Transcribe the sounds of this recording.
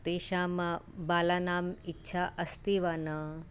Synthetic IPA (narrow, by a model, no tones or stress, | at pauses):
t̪eːʃaːmɐ | baːlanaːmitːʃʰaʔɐst̪iʋanɐ